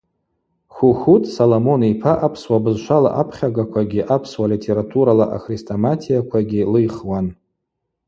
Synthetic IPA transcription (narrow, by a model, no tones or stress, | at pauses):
χʷuxʷutʰʼsolomo̞nipʰaʔapʰswabɨzʃʷala̰ʔapʰχʲaɡakʷʰaɡʲiʔapʰswalitʰe̞ɾatʰuɾalaʔa̰xristʰʼomatʰijakʷʰaɡʲilɨjχwan